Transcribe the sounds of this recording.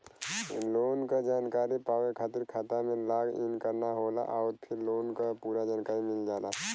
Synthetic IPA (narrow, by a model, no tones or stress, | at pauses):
loːnkad͡ʒaːnkaːɾipaːʋekʰaːt̪ɪɾkʰaːt̪amẽlaːɡɪ̰nkəɾnaɦoːla̰ʔɔʊɾpʰɪɾloːnkapuːɾad͡ʒaːnkaːɾimɪld͡ʒaːla̰